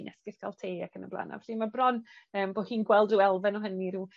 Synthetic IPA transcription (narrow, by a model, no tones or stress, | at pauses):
nʔɛskɪθkʰalˠtʰeːakʰənəblˠa̰na̰vɬimabrɔnəːmboːhiːnɡwɛlˠduɛlˠvɛnɔːɦəniɾuː